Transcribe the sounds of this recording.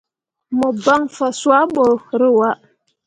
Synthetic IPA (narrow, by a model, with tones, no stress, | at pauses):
mə˨ba˦ŋfa˨swa˦ɓo˨ɾə˦wa˦ʔ